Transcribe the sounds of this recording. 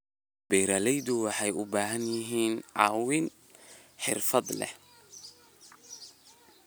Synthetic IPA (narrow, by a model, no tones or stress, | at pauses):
b̥ɛjɾɐlɛjd̪ʊwɑħɑjʊbaːɦɐnjɪɦiːnʕɑ̰ːwɪn | ħɪ̰rfɐd̪lɛ̰h